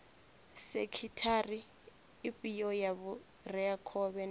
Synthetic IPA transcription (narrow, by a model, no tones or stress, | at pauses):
sɛkʰitʰariː | pʼijɔjaβu | rɛakʰɔβɛn